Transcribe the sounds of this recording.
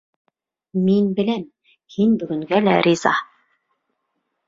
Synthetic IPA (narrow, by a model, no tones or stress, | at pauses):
minbɘ̆læm | hinbɵ̆ɡɵ̆ŋɡælæɾʲizɑ̰